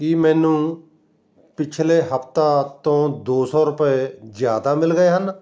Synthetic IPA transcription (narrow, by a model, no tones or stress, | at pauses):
kimɛːnũː | pɪt͡ʃʰleːɦəpʰt̪aːt̪õːd̪oːsɔːɾʊpeːzjaːd̪aːmɪlɡəeːɦən